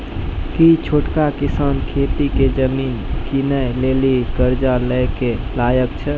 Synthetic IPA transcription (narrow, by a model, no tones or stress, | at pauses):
kit͡ʃʰoʈkakisaːnkʰet̪iked͡ʒəmiːnkinəjlelikəɾd͡ʒaləjkelajəkt͡ʃʰɛ